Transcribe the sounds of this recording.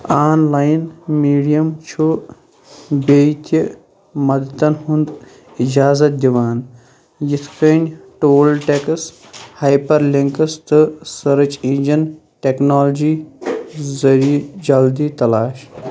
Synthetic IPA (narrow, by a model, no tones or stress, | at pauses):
aːnlaːjnmiːɖijɐmt͡ʃʰu | bejt̪i | mɐd̪ɐt̪ɐnhund̪ | id͡ʒaːzɐt̪̚d̪ʲiʋaːn | jit̪ʰkənʲʈoːlʈeks | hajpɐɾliŋkɐst̪ɨsɐɾɨt͡ʃind͡ʒɐn | ʈeknaːld͡ʒiː | zɐɾid͡ʒɐld̪iːt̪ɐlaːʃ